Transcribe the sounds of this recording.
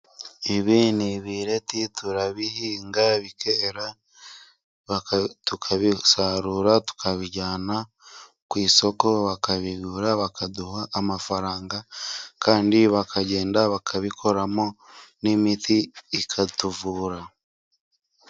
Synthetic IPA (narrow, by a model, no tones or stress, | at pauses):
iβiːniβiɾe̞tituɾaβihiːŋɡaβikeɾa | βatukʰaβisaɾuɾatu̥kʰaβiɟaːna | kwiːso̞ko̞βakaβiɡuɾaβakʰaduhaʔːmafaɾaːŋɡakaːndiβakʰaɟe̞ːndaβakʰaβikʰo̞ɾamonimitiːkʰatuvuːɾa